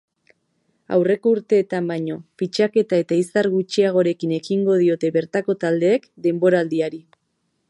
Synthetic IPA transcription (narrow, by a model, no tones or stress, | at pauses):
a̰wre̞ko̞uɾt̪e̞ːt̪ambaɲo̞pit͡ʃake̞t̪ae̞t̪aisaɾɣut͡ʃiaɣ̞o̞ɾe̞kine̞kiŋɡo̞ð̞io̞t̪e̞βe̞ɾt̪ako̞t̪ald̪e̞ːkd̪e̞mbo̞ɾaːld̪iaɾi